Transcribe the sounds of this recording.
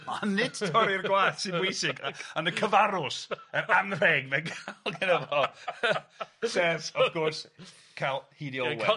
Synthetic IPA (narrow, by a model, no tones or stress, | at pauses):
anːɪdtʰɔɾɪrɡwaːd̥sɪnbwɪjsɪɡaanəkʰəvaɾʊsəɾanrɛɡmɛnkʰalˠɡənəvɔ | sɛsɔvkʰɔrs | kʰalˠhiːdiɔwɛ